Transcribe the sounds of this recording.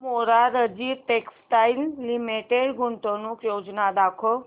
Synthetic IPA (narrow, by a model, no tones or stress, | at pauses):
moɾaɾəd͡ʒiʈeksʈailːimeʈeɽɡʊɳʈ̪onukjod͡ʒnad̪akʰo